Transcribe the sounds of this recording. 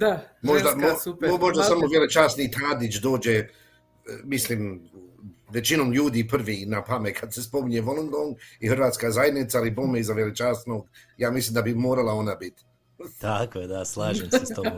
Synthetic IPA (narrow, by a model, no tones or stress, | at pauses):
d̪amoʒd̪amoumoʒd̪asamoʋjelet͡ʃaːst̪nit̪ʰaːd̪it͡ʃd̪o̞ːd͡ʒe | misliːm | ʋet͡ʃino̞ːmʎuːd̪iːpr̩ʋiːnapamekʰad̪sespo̞miɲeʋolˠonɡ̪oŋihɨrʋaːt̪skaːzaje̞d̪nit̪salibomeizaʋjelet͡ʃaːst̪noɡjaːmislˠiːmd̪abimoːɾalˠao̞nabit̪ | t̪akojed̪aslˠaːʒemset̪om